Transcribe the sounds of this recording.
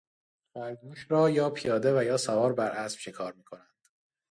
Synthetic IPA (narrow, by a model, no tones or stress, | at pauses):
fæɾɡuːʃɾɒːjɒːpʰijɒːd̪e̞væjɒːsævɒːɾbæɾʔæsb̥ʃekʰɒːɾmiːkʰo̞nænd̪̥